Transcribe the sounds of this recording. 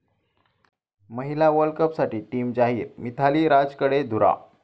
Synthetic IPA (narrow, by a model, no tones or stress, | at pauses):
məɦilaʋəɾlkəpsaʈiːʈiːmd͡ʑaɦiːɾmit̪ʰaliːɾad͡zkəɽed̪ʱuɾa̰